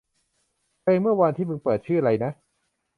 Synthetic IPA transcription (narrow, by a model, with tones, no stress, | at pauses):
kʰɤː˧ŋmɯ˥˩ɐwa˧nt̪ʰiː˥˩mɯ˧ŋpɤː˨˩t̪̚t͡ɕʰɯː˥˩aɾa˧jna˦˥ʔ